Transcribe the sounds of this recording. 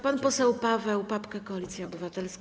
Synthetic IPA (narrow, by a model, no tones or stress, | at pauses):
panpɔsɛwpavɛwpapkɛkɔalʲit̪sʲjaɔbɘvat̪ɛlsk